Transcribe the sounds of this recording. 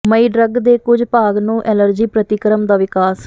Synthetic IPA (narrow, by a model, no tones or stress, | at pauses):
məiːɖɾəɡd̪eːkʊd͡ʒpaːɡnũːʔɛːləɾd͡ʒiːpɾət̪ɪkɾəmd̪aːʋɪkaːs